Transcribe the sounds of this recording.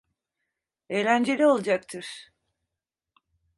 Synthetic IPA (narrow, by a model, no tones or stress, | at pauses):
ejlʲænd͡ʒe̞lʲio̞lˠad͡ʒak̚t̪ʰɯɾ̥